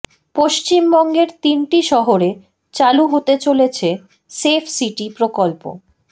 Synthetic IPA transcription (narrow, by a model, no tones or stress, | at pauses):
poʃt͡ɕimbɔŋɡeɾt̪inʈiʃɔɦoɾe | t͡ɕaluɦot̪et͡ɕolet͡ɕʰe | sepʰsiʈipɾokolpo̰